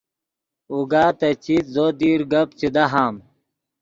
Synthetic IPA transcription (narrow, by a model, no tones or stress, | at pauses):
uɡaːt̪ɐt͡ɕit̪zoːd̪iːɾɡɐpt͡ɕid̪ɐɦaːm